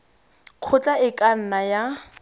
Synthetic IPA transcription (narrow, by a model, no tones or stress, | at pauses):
q͡χʰʊt͡ɬʼaɪkʼan̩naja